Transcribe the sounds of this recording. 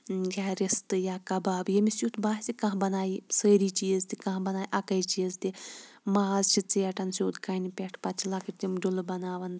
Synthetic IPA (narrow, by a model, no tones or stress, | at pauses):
jʲaːɾist̪ɨjaːkɐbaːbjɐmisut̪baːɦt͡sikɐ̃ɦbɐnaːisəːɾiːt͡ʃijɐzt̪ikãːɦbɐnaːjʔɐkɐjt͡ʃiɐzt̪imaaːzt͡ʃʰit͡sijɐʈɐnsʲoːt̪kɐːnipʲeʈʰpɐt͡ʃʰlɐkiʈt̪imɖulɨbɐnaːʋɐn